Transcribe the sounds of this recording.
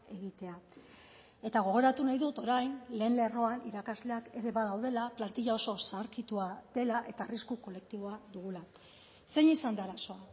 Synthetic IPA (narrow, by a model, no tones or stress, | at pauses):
e̞ɣit̪e̞a | e̞t̪aɣ̞o̞ɣ̞oɾat̪unajðut̪o̞ɾajnle̞ːnle̞ro̞aniɾakazle̞ake̞ɾe̞βaðawð̞e̞laplant̪iʎao̞so̞saɾkit̪uad̪e̞laʔe̞t̪aːriskuko̞le̞k̚t̪iβ̞o̞aðuɣ̞ula | se̞ɲisand̪aɾaso̞a